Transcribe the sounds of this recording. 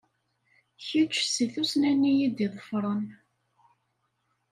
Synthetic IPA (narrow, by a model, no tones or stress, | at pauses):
çit͡ʃːsiθusnænːijid̪iðˤəfɾˤən